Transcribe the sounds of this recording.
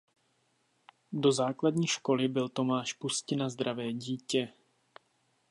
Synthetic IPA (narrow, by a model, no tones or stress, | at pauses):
do̞zaːkladɲiːʃko̞lɪbɪlt̪o̞maːʃpuscɪnazd̪ɾavɛːɟiːcɛ